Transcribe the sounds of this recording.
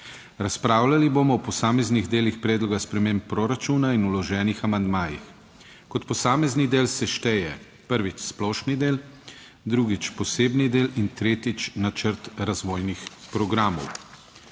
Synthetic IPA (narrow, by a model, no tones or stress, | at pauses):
ɾaspɾaːwlaliboːmɔɔpɔsaːmɛzniɣd̪eːlixpɾɛːd̪lɔɡaspɾɛmeːmpːɾoɾat͡ʃuːnainulɔʒɛːnixamand̪maːjḭx | kɔt̪pɔsaːmɛznid̪eːlsɛʃt̪ɛjɛ | pəɾʋit͡ʃsplɔːʃnid̪eːl | d̪ɾuːɡit͡ʃpɔseːbnid̪eːlint̪ɾeːt̪it͡ʃnat͡ʃəɾt̪ɾazʋoːjnixpɾɔɡɾaːmɔ̰w